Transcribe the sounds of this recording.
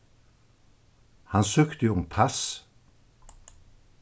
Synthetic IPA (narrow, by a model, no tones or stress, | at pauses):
hɑnsøːkt̪əjʊmpʰas